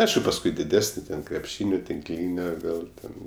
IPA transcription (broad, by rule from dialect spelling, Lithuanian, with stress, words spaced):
ˈɐɪʃkʊ pɐsˈkʊɪ dʲɪˈdʲæːsʲnʲɪ tʲɛn krʲɛpʲˈʃʲiːnʲoː tʲɪŋkˈlʲiːnʲoː ˈʋʲeːlˠ tʲɛn